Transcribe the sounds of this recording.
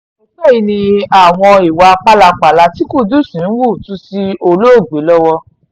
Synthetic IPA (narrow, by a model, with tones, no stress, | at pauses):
o˨˦k͡pɛ˦˨i˧nĩ˧a˨w̃ɔ̃˧i˨wa˧a˧k͡pa˦la˧k͡pa˨la˧˦ti˨˦ku˦˨du˦˨sĩ˨˦n̩˦wu˦˨tũ˦si˧o˧lo˦o˦˨ɡ͡be˨˦lɔ˦wɔ˧